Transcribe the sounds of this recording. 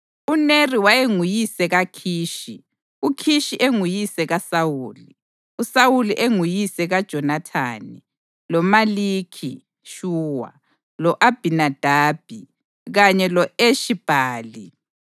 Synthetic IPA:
uneriwaeŋujisɛɣakʰiːʃi | ukʰiʃiʔeŋujisɛɣasawuːli | usawuliʔeŋujisɛɣad̥ʒ̥ʱɔnatʰa̰ːni | lɔmalikʰi | ʃuːwa̰ | lɔʔab̥ʱinad̥ʱaːb̥ʱi | ɣaɲɛlɔeʃib̥ʱaːli

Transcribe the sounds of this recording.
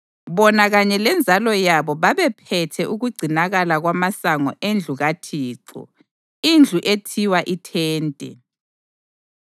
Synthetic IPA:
βɔnaɣaɲɛlɛnd͡zʱalɔjaβɔβaβɛpʰɛtʰɛʔuɣuɡ͡ǀʱinaɣalaɣwamasaŋɔ̰ʔend͡ɮʱuɣatʰiːǀɔ̰ | ind͡ɮʱuʔetʰiwaʔitʰɛːntʼɛ̰

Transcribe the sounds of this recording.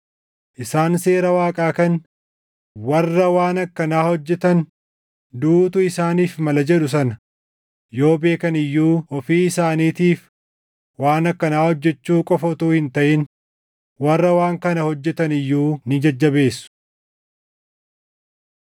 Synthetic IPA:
ʔɪsaːnse̞ːɾɐwaːkʼaːkɐn | wɐrːɐwaːnɐkːɐnaːhɔd͡ʒːɛt̪ɐn | d̪uːt̪ʊɪsaːniːfmɐlɐd͡ʒɛᶑʊs̬ɐnɐ | jo̞ːbe̞ːkɐnɪjːuːɔfiːɪsaːniːt̪iːf | waːnɐkːɐnaːhɔd͡ʒːɛt͡ʃːuːkʼɔfɔt̪uːhɪnt̪ɐʔɪn | wɐrːɐwaːŋkɐnɐhɔd͡ʒːɛt̪ɐnɪjːuːnɪd͡ʒɐd͡ʒːɐbe̞ːsːʊ̥

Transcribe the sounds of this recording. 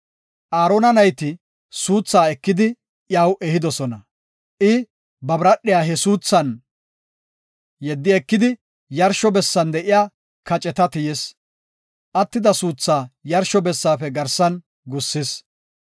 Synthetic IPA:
ʔaːɾɔnɐnɐjt̪ɪ | suːt͡sːaːɛkːɪd̪ɪ | jawʔɛhɪd̪ɔsɔnɐ | ʔɪ | bɐbɾɐɗɪjaːɦɛsuːt͡sːɐn | jɛd̪ːɪɛkːɪd̪ɪ | jɐɾʃɔbɛsːɐnd̪ɛʔɪjaː | kɐt͡ʃʼɛt̪ɐt̪ɪjɛs | ʔɐt̪ːɪd̪ɐsuːt͡sːaːjɐɾʃɔbɛsːaːfɛɡɐɾsɐn | ɡʊsːɪs

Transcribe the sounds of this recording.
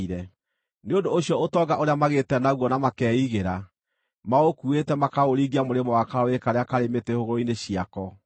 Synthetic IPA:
iɾɛ | neondooɕjɔotɔɡaʔoɾeamaɣetɛnaɣwɔnamakɛːiɣeɾa | maokuetɛmakaɣoɾiːɡiamoɾemɔwakaɾɔekaɾeakaɾemetehoɣoɾoineɕiakɔ

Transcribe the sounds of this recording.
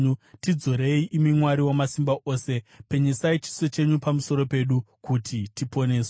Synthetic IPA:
utid͡zo̞ɾe̞iʔimimwaɾiwomasimbaʔo̞ːse̞pe̞ɲesait͡ʃi̥so̞t͡ʃe̞ɲupamuso̞ɾo̞pe̞ɗukutʰitipo̞ne̞ːse

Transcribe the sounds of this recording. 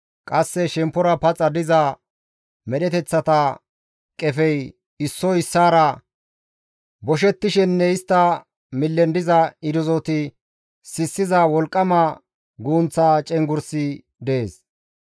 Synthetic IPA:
kʼɐsːɛʃɛmpːɔɾɐpɐt͡sʼːɐd̪ɪzɐ | mɛɗɛt̪ɛt͡sːɐt̪ɐ | kʼɛfɛj | ɪsːɔɪsːaːɾɐ | bɔʃ̬ɛt̪ːɪʃɛnːɛɪst̪ːɐ | mɪlːɛnd̪ɪzɐɪd̪ʊzɔt̪ɪ | sɪsːɪzɐwɔlkʼːɐmɐ | ɡuːnt͡sːaːt͡ʃʼɛŋɡʊɾsɪ | d̪ɛeːs

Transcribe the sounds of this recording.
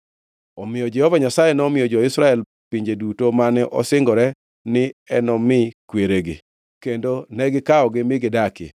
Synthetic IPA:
ɔmɪjɔd͡ʒɛhɔvaɲasajenɔmɪjɔd͡ʒɔɪsɾaɛl | piɲd͡ʒedutomanɛʔɔ̰sɪŋɡɔɾɛ | nɪɛnɔmɪkweɾeɡɪ̰ | kendonɛɡɪkaɔɡɪmɪɡɪdakɪ̰

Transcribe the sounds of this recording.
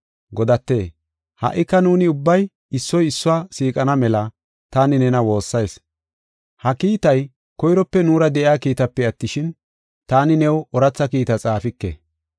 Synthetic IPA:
ɡɔd̪ɐt̪ːe̞ː | hɐ̰ʔːɪkːɐnuːnɪʊbːɐj | ɪsːɔjɪsːʊaːsiːkʼɐnɐmɛlɐ | t̪aːnɪnɛnɐwo̞ːsːɐjs | hɐkiːt̪ɐj | kɔjɾɔpːɛnuːɾɐd̪ɛʔɪaːkiːt̪ɐpːɛɐt̪ːɪʃɪn | t̪aːnɪnɛwɔɾɐt͡sːɐkiːt̪ɐt͡sʼaːfɪkːḛ

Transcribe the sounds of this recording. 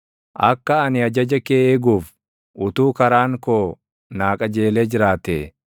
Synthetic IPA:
ʔɐkːɐːnɪɐd͡ʒɐd͡ʒɐkeːʔeːɡuːf | ʔʊt̪uːkɐɾaːŋkoː | naːkʼɐd͡ʒe̞ːleːd͡ʒɪɾaːt̪eː

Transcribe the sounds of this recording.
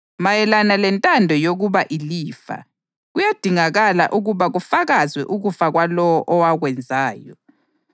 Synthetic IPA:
majɛlanalɛntʼandʱɔjoɣuβaʔiliːfa̰ | ɣujad̥ʱiŋaɣala̰ʔuɣuβaɣufaɣazwɛʔuɣufaɣwalɔwɔʔɔwaɣwɛnd͡zʱaːjɔ

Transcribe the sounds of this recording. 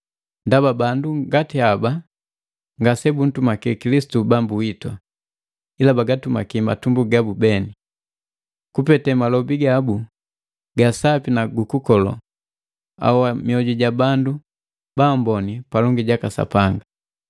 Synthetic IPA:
ndababanduɡatiaba | ŋɡasɛbun̩tumakɛkilisi̥tubambuitwa̰ | ilabaɡatuma̰kima̰tumbuɡabubɛni | kupɛtɛmalɔbiɡabu | ɡasapinaɡukukɔlɔ̰ | a̰wamiɔɟuɟabandu | bambɔnipalɔŋɡiɟakasa̰paŋɡa

